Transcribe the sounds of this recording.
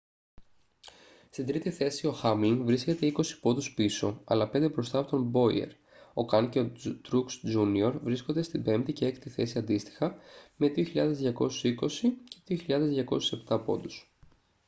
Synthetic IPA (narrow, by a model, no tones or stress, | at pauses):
st̪ind̪ɾit̪iθe̞sio̞xɐmiŋɡvɾisce̞t̪e̞iko̞si̥po̞d̪uspiso̞̰ɐ̰lɐpe̞nd̪e̞bɾo̞st̪ɐːpo̞t̪o̞mbo̞ḭḛɾ | o̞kɐnceot̪ɾuksd͡ʒunio̞ɾvɾisko̞nd̪e̞st̪ibe̞mpt̪ice̞ekt̪iθe̞siɐnd̪ist̪i̥xɐme̞ðioçiʎɐðezðʝɐko̞su̥siko̞sice̞ðioçiʎɐðe̞zðʝɐko̞̰su̥se̞pt̪ɐpo̞̰d̪us